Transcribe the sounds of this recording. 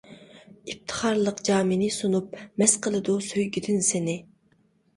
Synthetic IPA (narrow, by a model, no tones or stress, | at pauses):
ip̚t̪ʰə̥χɑɾlˠəqd͡ʒɑːminɪsunup̚mɛsqʰəlˠɨd̪usøjɡʲid̪ɪnsɪnɪ